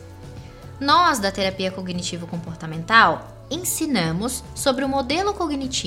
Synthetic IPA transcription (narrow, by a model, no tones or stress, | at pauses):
nɔzd̪ɐt̪eɾapiɐkoɡnit͡ʃivʊkõpoɾt̪ɐmẽnt̪aw | ẽsinɐ̃mʊsːobɾɪʊ̃mod̪elʊkoɡnit͡ʃi